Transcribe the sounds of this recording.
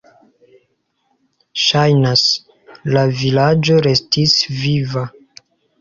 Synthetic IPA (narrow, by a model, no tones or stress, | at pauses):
ʃajnas | lavilad͡ʒo̞ɾe̞stisviva